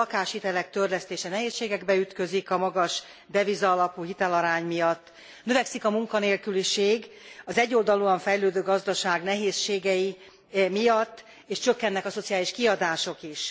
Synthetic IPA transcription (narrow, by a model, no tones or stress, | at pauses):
ɒkaːʃhit̪ɛlɛk̚t̪ørlɛst̪eːʃɛnɛɦeːsʃeːɡɛɡbɛyt̪kø̞zikɒmɒɡɒʃ | d̪ɛvizɒːlɒpuːɦit̪ɛlɒɾaːɲmijɒt̪ː | nø̞vɛksikɒmuŋkɒneːlkyliʃeːɡɒzɛɟːo̞ld̪ɒluɒɱfɛjløːd̪øːɡɒzd̪ɒʃaːɡnɛɦeːsʃeːɡɛji | mijɒt̪ː | eːʃt͡ʃø̞kːɛnːɛkɒso̞t̪sijaːliʃkiɒd̪aːʃo̞kiʃ